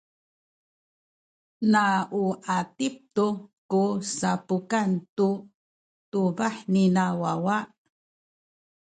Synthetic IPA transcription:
naʔuʔatip̚tukusapukantu | tubaħninawawaʔ

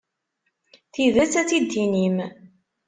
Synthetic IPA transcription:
θiðæt͡sːæt͡sːid̪ːinim

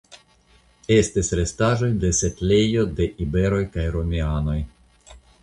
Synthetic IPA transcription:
e̞stisʲɾe̞staʒo̞jde̞se̞tle̞jo̞de̞ʔibe̞ɾo̞jkajɾo̞miano̞j

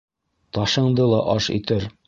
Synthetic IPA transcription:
t̪ɒʃɤ̆ɴd̪ɤlˠɒʔɒʃḭt̪ɘɾ

